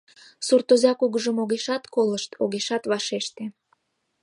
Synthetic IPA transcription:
surt̪ozʲɑkuɣəʒəmoɣeʃɑt̪koləʃt̪ʰoɣeʃɑt̪βɑʃeʃt̪e

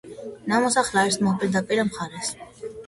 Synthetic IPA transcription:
namɔsaχlaɛɾsmɔpʼiɾd̪apʼiɾamχaɾɛs

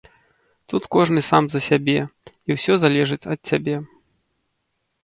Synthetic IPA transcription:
t̪ut̪kɔʐnɨsamzɐsʲabʲɛ | iwsʲɔzalʲɛʐɨt͡sʲɐt̪̚t͡sʲabʲɛ

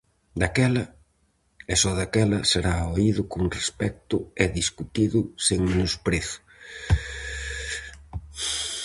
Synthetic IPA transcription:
d̪akɛlɐ | ɛsɔðakɛlɐseɾaoiðʊkʊŋrespɛk̚t̪ʊɛðiskut̪iðʊseŋmenʊspɾeθʊ̥

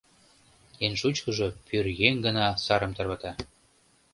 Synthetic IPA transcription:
enʃut͡ɕkɤ̆ʒɤpyrɣeŋɡə̆nɑsɑɾə̆mt̪ɤ̆rβɤ̆t̪ɑ

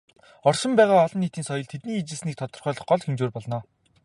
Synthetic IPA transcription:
ɔrʃɪ̆mpæːʁaːɔɮɞ̆nːiːt̪iːnsɔjɞ̆ɮt̪ʰet̪niːit͡ɕɪ̆ɮsniːk̚t̪ʰɔt̪ɞ̆rχœːɮɞ̆χɢɔɮxemt͡ɕoːrpɔɮnɔː

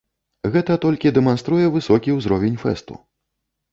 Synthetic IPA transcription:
ɣɛt̪ɐt̪ɔlʲkʲid̪ɛmanst̪ɾujɛvɨsɔkʲiwzɾɔvʲenʲfɛ̰st̪ṵ

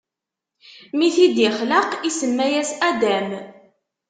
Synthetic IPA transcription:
miθid̪jəχləqisəmːæjæsæd̪æm

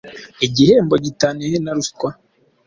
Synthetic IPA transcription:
iɟiheːmboɟitanehenaɾuskwa

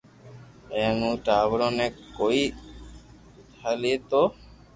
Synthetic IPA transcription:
eŋuʈaβɾonekːoi | t̪ʰalit̪o

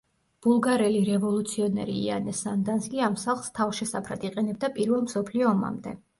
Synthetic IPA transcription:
b̥ulˠɡaɾɛliɾɛvɔlˠut̪sʰiɔnɛ̰ɾḭːa̰nɛsand̪anskʼiamsaχlˠst̪ʰafʃɛsapʰɾat̪ʰiqʼɛnɛb̚d̪apʼiɾvɛlˠmsɔpʰliɔːma̰md̪ɛ̰

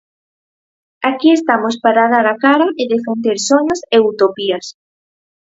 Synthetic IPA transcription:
akiest̪amospaɾaðaɾakaɾaʔeðefend̪eɾsoɲaseut̪opias

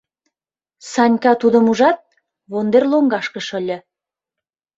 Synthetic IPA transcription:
sɑnʲkɑt̪ud̪ə̆muʒɑt̪̚ | βond̪erloŋɡɑʃkə̆ʃə̆lʲə̆

